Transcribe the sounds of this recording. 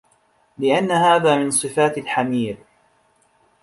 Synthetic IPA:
lɪʔanːahaːðaːmɪnsˤɨfaːt̪alħamiːɾ

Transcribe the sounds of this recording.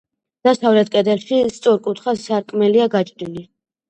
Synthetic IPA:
d̪̥asavlɛt̪̚kʼɛd̪ɛlˠʃist̪sʼuɾkʼut̪ʰχasːaɾkʼmɛliaɡat͡ʃʼɾili

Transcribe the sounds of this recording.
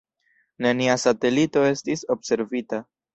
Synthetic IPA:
nəniasat̪elit̪oest̪isobse̞rvit̪ə

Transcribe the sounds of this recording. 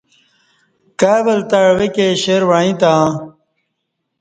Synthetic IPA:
kaːbɐlt̪aɻwekeɕeɾwaĩt̪ã

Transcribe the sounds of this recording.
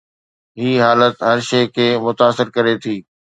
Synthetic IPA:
ɦiːɦaːlət̪ɦɐɾʃeːkʰeːmʊt̪aːsɪɾkɐɾet̪ʰiː

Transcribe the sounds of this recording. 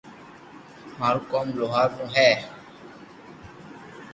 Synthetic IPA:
maːɾũːkɔːmloːɦaːɾt̪õːɦɛː

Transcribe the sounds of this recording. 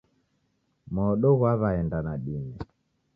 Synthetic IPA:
mɔɗɔɣwaβaɛndanaɗinɛ

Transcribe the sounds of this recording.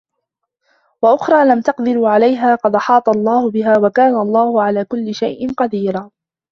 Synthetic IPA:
waʔʊxɾˤɑːlamt̪ɑqd̪ɪɾuːʕalajɦaːqɑd̪ʔɑħɑːt̪ˤɑlˤːɑːhʊbɪɦaːwakaːnaʔɑlˤːɑːhʊʕalaːkʊlːɪʃajʔɪnqɑd̪iːɾaː

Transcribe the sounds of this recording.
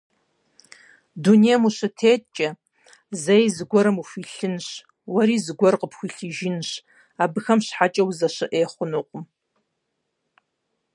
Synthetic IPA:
dunejmuʃɨtʰeːt̚ʼt͡ʃʼɐ | zejzɡʷɔɾɨmufiɬɨnʃ | waɾizɡʷɔrqəpʰxʷiɬɨʒɪnʃʷ | abɨxamʃħat͡ʃʼɐwuzaʃɨʔeːχʷʊnuqʷʼʊm

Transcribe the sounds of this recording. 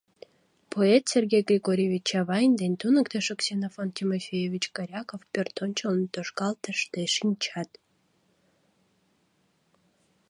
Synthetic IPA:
pʰoet̪sʲerɡʲejɡrʲiɡoɾʲevʲit͡ɕɑβɑjənd̪enʲt̪unə̆kt̪eʃoksʲenafont̪ʲimofʲejevʲit͡ɕkɑɾʲɑkofpʲert̪onʲt͡ɕolnt̪oʃkɑlˠt̪əʃt̪eʃinʲt͡ɕɑt̪

